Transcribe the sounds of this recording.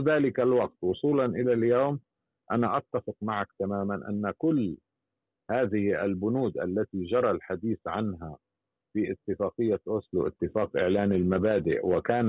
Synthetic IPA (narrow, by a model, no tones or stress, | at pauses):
ðaːlɪkalwɑq̚t̪wʊsˤuːlɑnʔɪlaljoːm | ʔanaʔɑt̪ːafɪqmaʕakt̪amaːmanʔa̰nːakʊlː | haːðɪhʔa̰lbʊnuːd̪ʔa̰lːat̪id͡ʒɑɾˤɑlħad̪iːθʕanɦa | fiːʔɪt̪ːɪfaːqɨjːaʔʊslṵʔɪ̰t̪ːɪfaːqʔɪʕlaːnɪlmabaːd̪ɪ̰ʔwɪkaːn